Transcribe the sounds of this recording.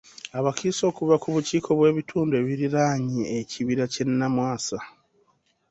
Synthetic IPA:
aβakiːso̞ːkuβakuβuciːkʰo̞βwe̞ːβitʰuːndoe̞ːβiɾiɾaːɲieciβiɾace̞nːamwaːsa

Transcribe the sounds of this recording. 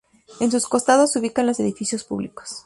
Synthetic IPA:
ensusko̞st̪aðosuβikanlo̞se̞ðifisjo̞spṵβliko̥s

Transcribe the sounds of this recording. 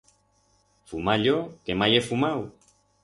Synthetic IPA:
fumaʎokemajefumaw

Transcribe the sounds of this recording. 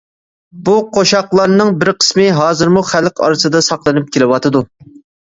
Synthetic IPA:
buqʰoʃɑqlˠɑɾnɨŋbɪɾqʰə̥smɨɦɑːzɨɾmuχælqɑ̰ɾɨsɨd̪ɑsɑqlˠɨnɨp̚kʲʰelɪwɑt̪ʰɨd̪u

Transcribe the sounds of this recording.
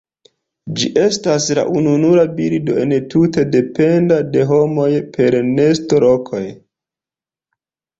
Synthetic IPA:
d͡ʒiʔe̞stasla̰ʔununuɾabiɾido̞̰e̞ntute̞de̞pe̞ndade̞ɦo̞mo̞jpʰe̞ɾne̞stolokʰo̞̰j

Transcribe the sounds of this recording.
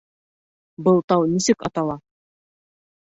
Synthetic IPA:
bɤlˠt̪ɑwnisɘkɑ̰t̪ɑlˠɑ

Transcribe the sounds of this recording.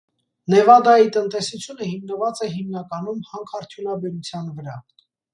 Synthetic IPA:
nɛvɑd̪ɑjit̪ənt̪ɛsut͡sʰjunəhimnəvɑt͡sɛɦimnɑkɑnumhɑŋkʰɑɾt̪ʰjunɑbɛɾut͡sʰjɑnvəɾɑ

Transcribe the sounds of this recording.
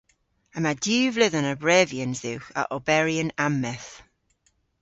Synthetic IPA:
əmadʉːvlɪðənəbɹɛːviənzðɪwxə̰ʔɔbɛɹiənamːɛθ

